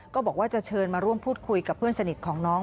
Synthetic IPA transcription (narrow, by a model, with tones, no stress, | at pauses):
kɔː˥˩bɔː˨˩k̚waː˥˩t͡ɕa˨˩t͡ɕʰɤː˧nmaː˧ɾu˥˩əmpʰuː˥˩t̪̚kʰu˧jka˨˩pʰːɯ˥˩ənsa˧ni˨˩t̪̚kʰɔː˩˦ŋnɔː˦˥ŋ